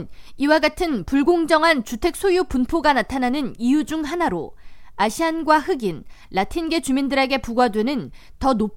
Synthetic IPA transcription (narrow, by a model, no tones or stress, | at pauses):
niwaɡatʰɯnpuɭɡoŋd͡ʑʌŋɦant͡ɕutʰe̞k̚s͈ʰojupunpʰoɡanatʰananɯnijud͡ʑuŋɦanaɾoaɕʰianɡwahɯɡinlatʰinɡe̞t͡ɕumindɯɾe̞ɡe̞puɡwadwe̞nɯn | tʌnop̚